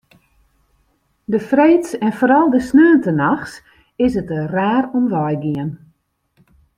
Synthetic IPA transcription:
dəfrejtsɛnfoːɾɔlˠdəsnøːəntənaxs | ɪsətəraːɾomʋɔjɡiən

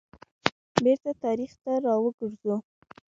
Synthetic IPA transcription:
beɾt̪at̪ɑɾixt̪aɾɑwəɡəɾzu

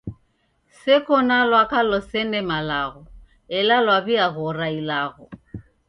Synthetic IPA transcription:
sɪkʰɔnalwakalɔsɛnɛmalaɣɔ | ɛlalwabiaɣʊrailaːɣɔ

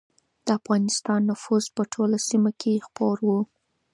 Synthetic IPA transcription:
d̪̥əafɣɑnɪst̪ɑnːʊfuzpəʈʰolasimokʰexpoɾwu

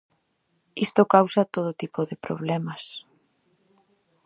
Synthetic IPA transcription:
ist̪okawsɐt̪oð̞ot̪ipoðɪpɾo̰β̞lɛmɐs

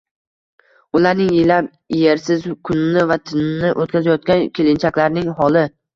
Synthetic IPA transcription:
ʊlaɾnɪŋjɪlap | jeɾsɪzkʰʊnɪnɪvat̪ʰɪnɪnɪʔot̪̚kʲʰazajɒt̪̚kʲankʲʰelɪnt͡ʃʰakʲlaɾnɪŋɦɒlˠɪ

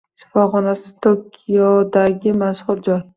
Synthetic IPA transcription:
ʃɪ̥fɒχɒnasɪ̥t̪ʰokʲʰijɒd̪aɡʲɪmaʃhʊɾd͡ʒɒj

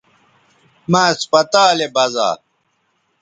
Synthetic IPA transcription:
maːspɐt̪aːlebɐza̰ː

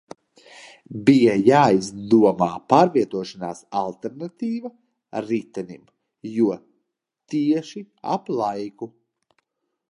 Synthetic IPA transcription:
bijajaːizd̪uɔmaːpaːɾviɛt̪uɔʃanaːsalˠt̪ɛɾnat̪iːva | ɾit̪ɛnʲḭm | juɔ | t̪iɛʃi | a̰plˠajku

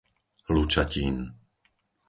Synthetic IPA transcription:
lut͡ʃaciːn

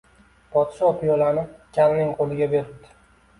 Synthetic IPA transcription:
pʰɒt̪ʃɒːpɪjɒlanɪpkʲʰalnɪŋqʰolɪɡʲabe̞ɾɪp̚d̪̥ɪ̥

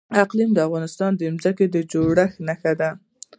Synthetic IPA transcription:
aqlimd̪əafɣɑnɪst̪ɑnd̪əɪmzaked̪əd͡ʒoɽaxnaxad̪a

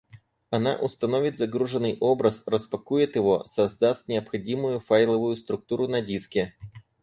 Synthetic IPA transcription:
ɐna̰ʔʊst̪ɐnovʲɪt̪ʲzɐɡɾuʐɨnːɨjʔobɾəsrəspɐkujɪt̪jɪvosɐzd̪ast̪ʲnʲɪɐpxɐdʲimʊjʊfajlˠəvʊjʊst̪ɾʊk̚t̪uɾʊnɐdʲiskʲɪ

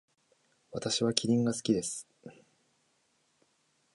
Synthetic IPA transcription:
βat̪aɕiβakʲʰiɾʲĩŋɡasɨ̥kʲid̪e̞sɨ̥

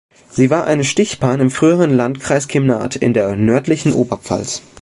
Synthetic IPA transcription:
z̥iːvaːɐʔa̰ɪnəʃtɪçb̥aːnɪmfʁ̥yːəʁənlantkʁ̥aɪskʰɪmna̰ːtʰɪ̰ndeːɐnœɐtlɪçn̩ʔoːbɐp͡fa̰ls

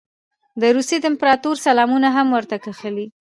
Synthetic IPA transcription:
d̪əɾusjed̪əɪmpɾɑt̪uɾsalɑmunaɦamwəɾt̪akaxəli

